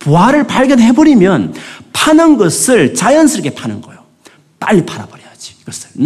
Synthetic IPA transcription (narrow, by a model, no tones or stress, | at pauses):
poɦaɾɯɭpaɭɡjʌdɦebʌɾimjʌnpʰanɯnɡʌsʰɯɭt͡ɕajʌnsʰɯɾke̞pʰanɯnɡʌjo | p͈a̰ɭːipʰaɾabʌɾijad͡ʑi̥ɡʌsʰɯ̥